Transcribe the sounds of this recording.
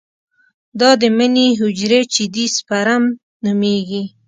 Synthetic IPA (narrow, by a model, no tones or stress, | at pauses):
d̪ɑd̪əməniɦʊd͡ʒɾet͡ʃɪd̪ispaɾam | numeɡi